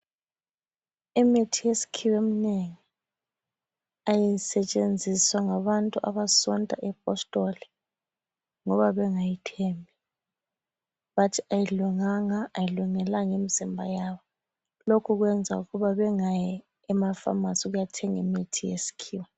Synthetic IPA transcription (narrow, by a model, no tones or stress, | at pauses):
imitʰijesi̥kʰiwemineŋi | ajisɛt͡ʃʼend͡zʱiswaŋaβantʼuʔaβasɔntʼa̰ʔɛp̚ʼɔstʼɔli | ŋɔβaβɛŋajitʰɛmbʱi | βatʰiajiluŋaŋaːjiluŋɛlaŋemizimbʱa̰jaβɔ | lokʰuɣwɛnd͡zʱauɣuβaβɛŋajɛː | mafa̰masiɣujatʰɛŋimitʰijḛsi̥kʰiːwɛ